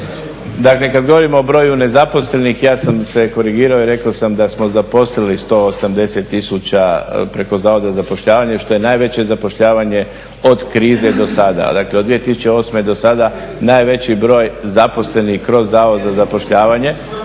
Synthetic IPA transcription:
d̪akle̞kad̪ɡo̞ʋo̞ɾimoːbɾo̞ːjune̞zapo̞sle̞nixjaːsamse̞ko̞ɾiɡiːɾaoiɾe̞kaosamd̪asmozapo̞slilist̪o̞ːosamd̪e̞se̞t̪ːisut͡ɕapɾe̞ko̞zaːʋo̞d̪azapo̞ʃʎaːʋaɲeʃt̪o̞jenaːjʋe̞t͡ɕe̞zapo̞ʃʎaːʋaɲe̞ | o̞d̪kɾiːze̞d̪o̞sad̪a̰d̪akle̞o̞d̪ʋije̞t̪isu̥t͡ɕe̞o̞smed̪o̞sad̪a | naːjʋe̞t͡ɕibɾo̞ːjzapo̞sle̞nixkɾo̞zːaːʋo̞d̪zazapo̞ʃʎaːʋaɲe̞

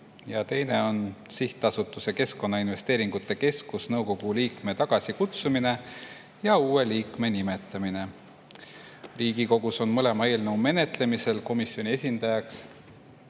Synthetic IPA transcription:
jɑt̪e̞jne̞o̞nsiht̪ɑsut̪ːˑuse̞ke̞sko̞nːɑinve̞st̪e̞ːɾiŋɡ̥ut̪ːˑe̞ke̞skusnɤwko̞ɡ̥uliːkme̞t̪ɑɡ̥ɑsʲikut̪sumine̞ | jɑuːe̞liːkme̞nime̞t̪ːˑɑmine̞ | riːɡ̥iko̞ɡ̥uso̞nmɤle̞mɑe̞ːlnəwme̞ne̞t̪ˑle̞mise̞lko̞misːjo̞nʲie̞sʲind̪̥ɑjɑks

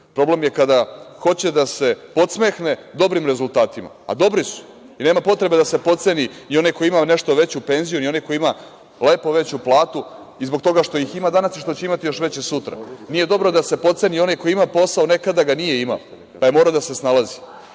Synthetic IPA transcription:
pɾo̞ble̞mje̞kad̪axo̞t͡ɕe̞d̪ase̞po̞t̪smexne̞d̪o̞bɾimɾe̞zulˠt̪aːt̪ima̰ːd̪o̞bɾisu̥ | ineːmapo̞t̪ɾe̞be̞d̪ase̞po̞t̪se̞ninio̞najkojimane̞ʃt̪o̞ʋe̞t͡ɕupe̞nzijunio̞nako̞jima | le̞ːpo̞ʋe̞t͡ɕuplˠaːt̪u | izbo̞k̚t̪o̞ɡaʃt̪o̞jiximad̪anasiʃt̪ot͡ɕeimat̪ijo̞ʃʋe̞t͡ɕesut̪ɾa̰nije̞d̪o̞bɾo̞d̪ase̞po̞t̪se̞nio̞najko̞jimapo̞sao̞ne̞kad̪aɡanije̞ima̰o | pajemo̞ɾad̪ase̞snalazi

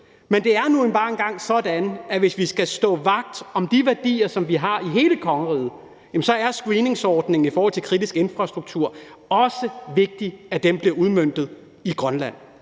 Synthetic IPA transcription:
mend̥e̝æɐnuenb̥ɑ̈ːe̝nɡ̥ɑ̈ŋ̰sɒ̽d̥ænæʋe̝sʋisɡ̥æsd̥ɔ̰̽ːʋɑ̈ɡ̥̚d̥ɒ̽md̥iʋæɐd̥ḭːɐsɒ̽mʋiɦɑ̈iɦe̝ːləkʰɒ̽ŋəʁiːð̩ˠ | jæmn̩sɒ̽æɐsɡ̥ʁiːne̝ŋsɒːd̥ne̝ŋn̩ifɒɔːhɒl̰t͡sʰelkʰʁid̥isɡ̥e̝nfʁɑ̈sd̥ʁuɡ̥̚t͡sʰuɐ̰ | ɒ̽səʋe̝ɡ̥̚d̥iæd̥emb̥liɐuð̞ˠmøn̰d̥ð̞̩ˠ | iɡ̥ʁɶnlæn̰

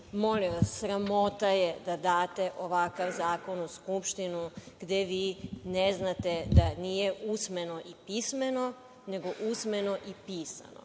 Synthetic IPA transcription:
mo̞liʋasːɾamo̞t̪ajed̪ad̪aːt̪e̞ʔoʋakaʋzaːko̞nuskupʃt̪inuɡ̥d̪eʋiːneznat̪e̞d̪anije̞ʔusmenoʔipismeno̞ | ne̞ɡo̞ʔusmeno̞ʔipiːsa̰no̰

